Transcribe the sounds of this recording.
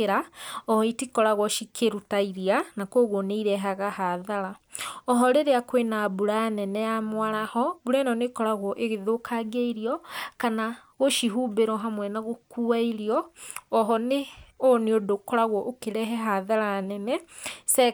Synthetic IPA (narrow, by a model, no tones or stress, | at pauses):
eɾaɔhɔitikɔɾaɣwɔʃikʰeɾutaiɾianakoɣoneiɾɛɦaɣahaðaɾaɔɦɔɾeɾeakwenabuɾaːnɛnɛamwaɾahɔbuɾɛnɔnekɔɾaɣwɔʔeɣeðokʰaɡeiɾiɔkanaɣoʃiɦubeɾɔɦamwɛnaɣokuaiɾiɔːɦɔneɔneodokɔɾaɣwɔʔokeɾɛɦɛɦaðaɾaːnɛnɛsɛ